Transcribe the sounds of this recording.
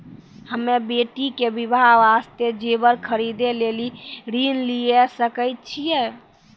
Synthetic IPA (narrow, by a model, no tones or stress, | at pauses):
həmːebeʈikebibʱaʋast̪ed͡ʒebəɾkʰəɾid̪eleliɾinlijesəkəjt̪̚t͡ʃʰijɛ